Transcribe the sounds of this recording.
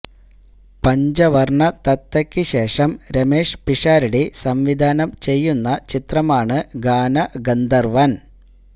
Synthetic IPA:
pɐɲd͡ʑɐʋɐrɳɐt̪ɐt̪ːɐkʲːɨɕe̞ːʂɐmɾɐmeːʂpiʂaːɾiɽisɐmʋid̪ʱaːnɐmt͡ɕe̞jːunːɐt͡ɕit̪rɐmaːɳɨɡaːnɐɡɐnd̪ɐrʋɐn

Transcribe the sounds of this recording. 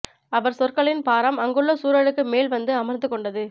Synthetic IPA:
ɐʋɐɾsɔrkɐɭɪnpaːɾɐmɐŋɡɯɭːɐsuːɾɐɻɯkːɯmeːlʋɐnd̪ɯɐmɐɾnd̪ɯkːɔɳɖɐðɯ

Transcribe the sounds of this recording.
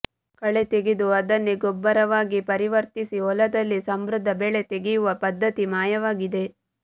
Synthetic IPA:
kɐɭe̞t̪eɡid̪uɐd̪ɐnːeɡɔbːɐɾɐʋaːɡipɐɾiʋɐɾt̪isiɔlɐd̪ɐlːisɐmbɾʊd̪ʱːɐbeːɭe̞t̪eɡijuʋɐpɐd̪ʱːɐt̪imaːjɐʋaːɡid̪e̞

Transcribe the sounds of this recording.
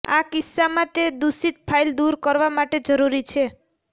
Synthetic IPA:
a̰kisːamãt̪ed̪usit̪̚pʰaild̪uɾkəɾʋamaʈed͡ʒəɾuɾit͡ʃʰe

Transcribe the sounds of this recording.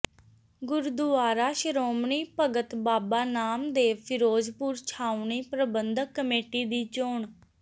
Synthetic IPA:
ɡʊɾd̪ʊaːɾaːʃəɾoːmɳiːpəɡət̪baːbaːnaːmd̪eːpʰɪɾoːd͡ʒpuɾt͡ʃʰaːʊɳiːpɾəbənd̪əkːəmeːʈiːd̪iːt͡ʃoːɳ

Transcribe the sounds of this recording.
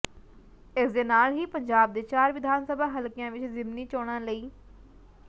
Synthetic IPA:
ɪsd̪eːnaːlɦiːpəɲd͡ʒaːb̚d̪eːt͡ʃaːɾʋɪd̪ʱaːnsəbʱaːɦəlkɪjãːʋɪt͡ʃzɪmniːt͡ʃoːɽ̃ãːləiː

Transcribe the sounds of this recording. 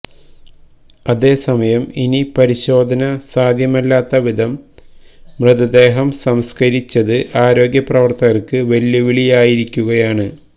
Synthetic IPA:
ɐðe̞ːsɐmɐjɐminipɐɾiɕo̞ːd̪ʱɐnɐsaːd̪ʱjɐmɐlːaːt̪ːɐʋid̪ʱɐm | mrɨd̪ɐd̪e̞ːɦɐmsɐmskɐɾit͡ɕːɐðɨʔaːɾo̞ːɡjɐprɐʋɐrt̪ɐɣɐrkɨʋɐljuʋiɭijaːjiɾikʲːuɣɐjaːɳɨ

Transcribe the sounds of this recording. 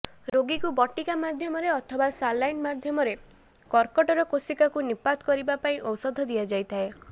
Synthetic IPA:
ɾoɡikubɔʈikamad̪ʱjɔmɔɾeɔt̪ʰɔbasalːajnmad̪ʱjɔmɔɾe | kɔɾkɔʈɔɾɔkosikakunipat̪kɔɾibapaĩʔɔwsɔd̪ʱɔd̪iad͡ʒajt̪ʰae

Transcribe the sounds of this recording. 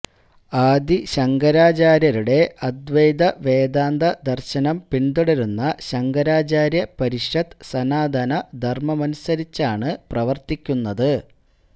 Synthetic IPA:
aːd̪iɕɐŋɡɐɾaːt͡ɕaːɾjɐɾuɽe̞ɐd̪ʋejd̪ɐʋeːd̪aːnd̪ɐd̪ɐrɕɐnɐmpiɳd̪uɽɐɾunːɐɕɐŋɡɐɾaːt͡ɕaːɾjɐpɐɾiɕɐd̪sɐnaːd̪ʱɐnɐd̪ʱɐrmɐmɐnusɐɾit͡ɕːaːɳɨprɐʋɐrt̪ikʲːunːɐðɨ

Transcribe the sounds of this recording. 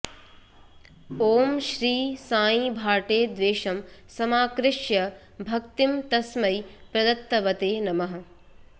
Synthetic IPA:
oːmʃɾiːsaːjĩbʱaːʈeːd̪ʋeːʃɐmsɐmaːkɾɪʃjɐ | bʱɐk̚t̪imt̪ɐsmɐjpɾɐd̪ɐt̪ːɐʋɐt̪eːnɐmɐɦɐ̆

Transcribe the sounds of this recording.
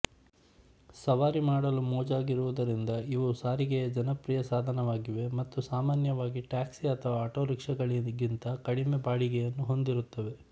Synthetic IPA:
sɐʋaːɾimaːɽɐlumɔːd͡ʒaːɡiɾuʋud̪ɐɾind̪ɐiʋusaːɾiɡed͡ʒɐnɐpɾijɐsaːd̪ʱɐnɐʋaːɡiʋe̞mɐt̪ːusaːmaːnjɐʋaːɡiʈaːksiɐt̪ʰɐʋaːʈo̞ːɾikʂɐɡɐɭiɡint̪ɐkɐɽimebaːɭiɡɛjɐnːuɦo̞nd̪iɾut̪ːɐʋe̞

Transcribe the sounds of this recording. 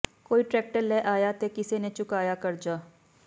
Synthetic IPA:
koːiʈɾɛːk̚ʈəɾlɛʔaːjat̪ekɪsenet͡ʃʊkaːjakɐɾd͡ʒaː

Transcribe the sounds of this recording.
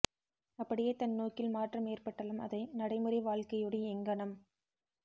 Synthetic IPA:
ɐpːɐɽɪjeːt̪ɐnːoːkːɪlmaːʈrɐmeːrpɐʈːɐlɐmɐ̰ðɐɪnɐɽɐɪmɯɾɐɪʋaːɭkɐjɔɽɐɛŋɡɐɳɐm

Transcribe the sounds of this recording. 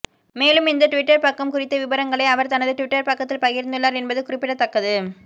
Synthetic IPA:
meːlɯmɪnd̪ɐʈʊʋɪʈːɐɾpɐkːɐmkʊrɪt̪ːɯʋɪbɐɾɐŋɡɐɭɐɪɐʋɐɾt̪ɐnɐðɯʈʊʋɪʈːɐɾpɐkːɐt̪ːɪlpɐɣɪɾnd̪ɯɭːaːɾɛnbɐðɯkʊrɪpːɪɽɐt̪ːɐkːɐðɯ

